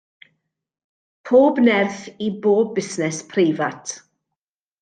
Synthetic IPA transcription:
pʰoːbnɛrθiboːbɪsnɛspʰreːvatʰ

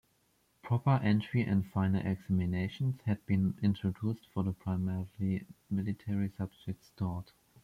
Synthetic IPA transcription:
pʰɹ̥ɔpə˞ʔɛ̃ntʰɹ̥iʔɛ̰̃ndfãɪ̃nəl̩ʔɛ̰ɡsæmineɪʃə̃nshæd̚bĩnɪ̃ntʰɹ̥ɔdustfɔ˞ðəpʰɹ̥aɪmɛɹlimɪlɪtʰɛɹisab̚d͡ʒɛk̚tstɔt

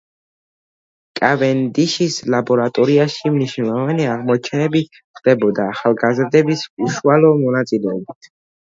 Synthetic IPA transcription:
kʼavɛnd̪iʃislabɔɾat̪ʼɔɾiaʃimniʃnɔvaniaʁmɔt͡ʃʰɛnɛbi | χd̪̥ɛbɔd̪aːχalˠɡazɾd̪ɛbisuʃualˠɔmɔnat̪sʼilɛɔbit̪ʰ

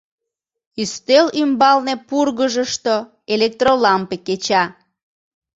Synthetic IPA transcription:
yst̪elymbɑlnepurɣəʒəʃt̪o | elek̚t̪rolɑmpeket͡ɕɑ

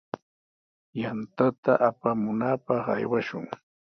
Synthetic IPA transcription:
jant̪at̪aʔapamʊnaːpɑχa̰jwaʃʊ̰ŋ

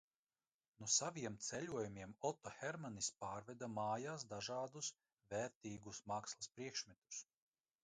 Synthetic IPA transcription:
nusaviɛmt̪sɛʎʲuɔjumʲiɛmɔt̪ɔxʲɛɾmanispaːɾvɛd̪amaːjaːsd̪aʒaːd̪us | vɛːɾt̪iːɡusmaːkslˠaspɾiɛkʃmʲɛt̪u̥s

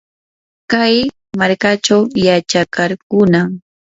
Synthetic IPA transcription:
kaj | maɾkat͡ʃawjat͡ʃakaɾkʊnam

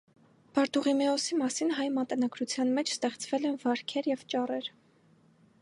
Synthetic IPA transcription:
b̥ɑɾt̪uʁimɛɔsimɑsinɦɑjmɑt̪ənɑɡɾut͡sʰjɑnmɛt͡ʃʰst̪ɛχt͡svɛlɛnvɑɾkʰɛɾjɛvt͡ʃɑrɛɾ

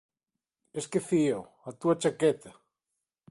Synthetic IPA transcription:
eskeθio | at̪uat͡ʃaket̪ɐ

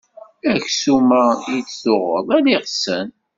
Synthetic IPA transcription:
æçsumæjit͡sθʊʁə̰ðˤæliʁsən

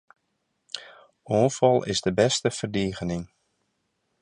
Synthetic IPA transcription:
oːnfɑlˠɪ̰zdəbɛstəfərdiːɣənɪŋ

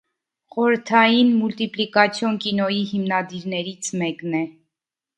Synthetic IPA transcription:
χɔɾəɾt̪ʰɑjinmult̪iplikɑt͡sʰjɔnkinɔjiɦimnɑd̪iɾnɛɾit͡sʰmɛknɛ

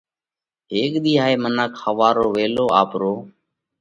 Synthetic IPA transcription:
ɦeːkɗ̪iːɦaːeːmənaːkʰəʋaːɾoːʋeːloːaːpɾoː

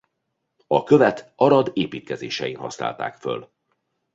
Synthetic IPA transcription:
ɒkø̞vɛt̪ɒɾɒd̪eːpiːt̪̚kɛzeːʃɛjinhɒ̰sna̰ːlt̪a̰ːkfø̰l

